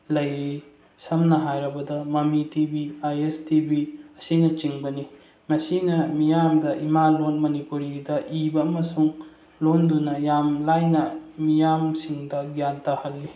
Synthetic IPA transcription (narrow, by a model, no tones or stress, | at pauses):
lɐjɾi | sɐmnɐɦajɾɐbɐdɐmɐmitibiajestibiɐsinɐt͡ʃiŋbɐni | mɐsinɐmijamdɐʔimalonmɐnipuɾidɐʔibɐːmɐsuŋ | londunɐjamlajnɐmijamsiŋdɐɡjantɐhɐlːi